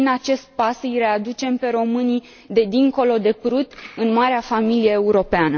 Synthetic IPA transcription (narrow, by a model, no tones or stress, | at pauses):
inat͡ʃe̞st̪̚pasɨijɾe̞ad̪ut͡ʃe̞mpe̞ɾo̞mɨni | d̪e̞d̪iŋko̞lo̞d̪e̞pɾut̪ɨnmaɾeafamilije̞ːuɾo̞peanə